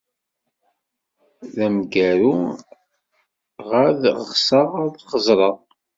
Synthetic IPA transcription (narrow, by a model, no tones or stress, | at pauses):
ðæmɡæɾu | ʁaðʁəʁsəʁaðχəzˤɾˤɑ